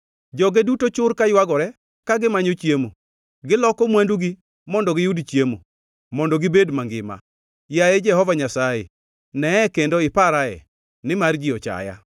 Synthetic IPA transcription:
d͡ʒɔɡedutot͡ʃʊrkajwaɡɔɾɛ | kaɡɪmaɲot͡ʃjemo̰ | ɡɪlɔkɔmwanduɡi | mɔndɔɡɪjudt͡ʃjemo̰ | mɔndɔɡɪbedmaŋɡɪ̰ma̰ | jajed͡ʒɛhɔvaɲasajḛ | nɛɛkendoɪpaɾaɛ̰ | nɪmard͡ʒiɔt͡ʃa̰ja̰

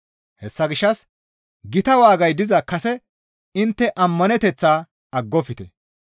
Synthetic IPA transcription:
hɛsːɐɡɪʃːɐs | ɡɪt̪ɐwaːɡɐjd̪ɪzɐkɐsɛ | ɪnt̪ːɛʔɐmːɐnɛt̪ɛt͡sːaː | ɐɡːɔfɪt̪ɛ

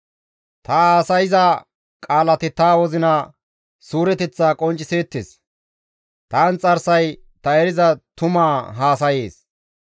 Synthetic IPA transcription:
t̪ɐaːsɐjɪzɐ | kʼaːlɐt̪ɪt̪aːwɔzɪnɐ | suːɾɛt̪ɛt͡sːaːkʼɔnt͡ʃʼːɪseːt̪ːes | t̪aːnt͡sʼɐɾsɐj | t̪ɐɛɾɪzɐt̪ʊmaːɦaːsɐjeːs

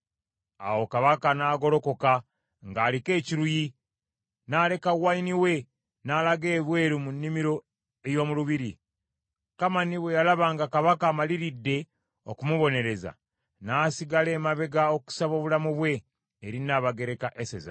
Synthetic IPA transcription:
a̰wo̞kaβakanaːɡo̞lo̞ko̞ka | ŋɡaːlike̞ːciɾuji | nale̞kawainiwe̞ | naːlaɡe̞ːβwe̞ːɾumunːimiɾo̞ | ejo̞ːmuluβiɾi | kamaniβwe̞jalaβaːŋɡakaβakaːmaliɾidːe̞ | o̞kumuβo̞ne̞ɾe̞za̰ | naːsiɡale̞ːmaβe̞ɡao̞ku̥saβo̞ːβulamuβwe̞ː | ɾinaːβaɡe̞ɾe̞kaʔeseza̰

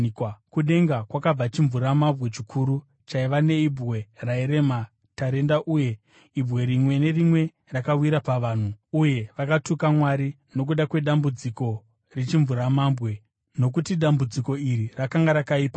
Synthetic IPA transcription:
kuɗe̞ŋɡakwakab͡vat͡ʃiɱvuɾamambwe̞t͡ʃikʰuɾu | t͡ʃaiʋane̞ibʱɣe̞raeɾe̞ma | taɾe̞ndaʔuje̞ | ibɣe̞ɾimwe̞ne̞rimwe̞ | rakawiɾapaʋaːn̤uuje̞ʋakatukamwaɾi | no̞k̬uɗakwe̞ɗambud͡ziko̞ | rit͡ʃiɱvuɾamambɣe̞ | no̞k̬utiɗambud͡ziko̞iɾirakaŋɡaɾakaiːpa

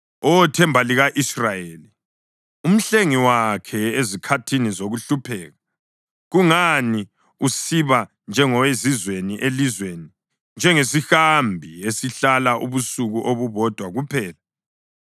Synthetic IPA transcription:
ɔtʰɛmbʱaliɣaʔisrajeːli | um̩ɬeŋiwakʰɛezikʰatʰinizoɣuɬupʰɛːɣa | ɣuŋani | usiβa | nd͡ʒʱɛŋɔwezizweniʔelizweni | nd͡ʒʱɛŋezixambʱiesiɬalaʔuβusuɣuʔoβuβɔd̥ʱwaɣupʰɛːla

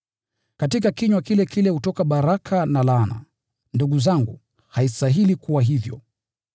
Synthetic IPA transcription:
katik̬akiɲwakilɛkilɛhutɔkaɓaɾakʰanalana̰ | nduɠuzaŋɡu | haistaɦilikuwaɦivjɔ̰

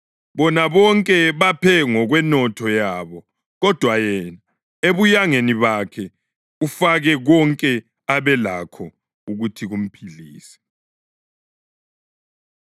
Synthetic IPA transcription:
βɔnaβɔŋkʼɛβapʰɛŋɔɣwɛnɔtʰɔjaːβɔ | ɣɔd̥ʱwajɛna | eβujaŋeniβakʰɛ | ɣufaɣɛɣɔŋkʼɛ | aβɛla̰kʰɔ | uɣutʰiɣum̩pʰiliːsɛ̥

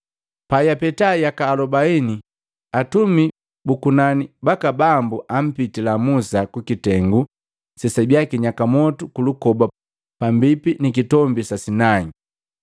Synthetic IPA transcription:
pajapɛtajakaːlɔbaini | atumi | bukunanibakabambuʔam̩pitilamusakukitɛŋɡu | sɛsabjakiɲakamɔtukulukɔba | pambipinikitɔmbisasinai

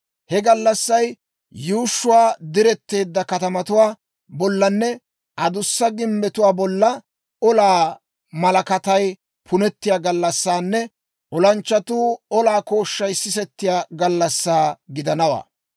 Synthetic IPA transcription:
hɛɡɐlːɐsːɐj | juːʃːʊwaːd̪ɪɾɛt̪ːe̞ːd̪ːɐkɐt̪ɐmɐt̪ʊwaː | bɔlːɐnːɛ | ʔɐd̪ʊsːɐɡɪmːbɛt̪ʊwaːbɔlːɐ | ɔlaː | mɐlɐkɐt̪ɐj | pʰʊnɛt̪ːɪjaːɡɐlːɐsːaːnːɛ | ʔɔlɐnt͡ʃːɐt̪uːɔlaːko̞ːʃːɐjsɪsɛt̪ːɪjaːɡɐlːɐsːaːɡɪd̪ɐnɐwa̰ː

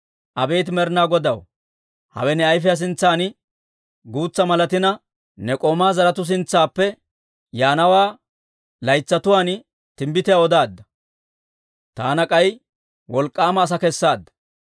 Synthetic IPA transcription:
ʔɐbe̞ːt̪ɪmɛɾnaːɡɔd̪ɐw | hɐ̰wɛnɛɐjfɪjɐs̬ɪnt͡sːaːn | ɡuːt͡sːɐmɐlɐt̪ɪnɐ | nɛkʼoːmaːzɐɾɐt̪ʊs̬ɪnt͡sːaːpːɛ | jaːnɐwaː | lɐjt͡sːɐt̪ʊwaːn | t̪ɪmbɪt̪ɪjawɔd̪aːd̪ːɐ | t̪aːnɐkʼɐj | wɔlkʼːaːmɐːs̬ɐkɛsːaːd̪ːɐ̥

